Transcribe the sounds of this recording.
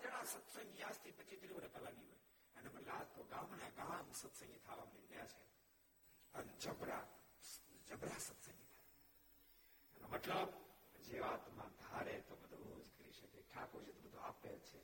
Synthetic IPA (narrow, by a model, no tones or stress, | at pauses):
d͡ʒəɽasət̪səŋɡjast̪ʰipət͡ʃit̪ɾiʋonepəlaniɦoːj | əneməlaːd͡ʒt̪oɡãːmneɡãmsət̪sə̃ŋɡt̪ʰaʋamninjat͡ʃʰe | ənd͡ʒəbɾa̰ | d͡ʒəbɾasət̪sə̃ŋɡt̪ʰaje | enomət̪ləbd͡ʒeʋat̪mã̰d̪ʱaɾet̪obəd̪ʱoɾo̰d͡ʒkəɾḭʃəkeʈʰakot͡ʃʰet̪obəd̪ʱoa̰pḛɾt͡ʃʰe